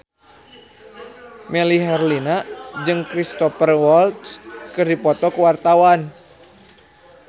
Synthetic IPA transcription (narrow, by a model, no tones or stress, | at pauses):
mɛliɦɛrlinad͡ʒɨŋkɾist̪ɔfərwɔlt̪skɨrdipɔt̪ɔkəwart̪awan